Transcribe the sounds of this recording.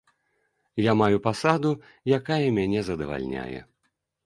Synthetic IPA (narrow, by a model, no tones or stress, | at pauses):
jamajupasad̪u | jakajɐmʲanʲɛzɐd̪ɐva̰lʲnʲa̰jɛ̰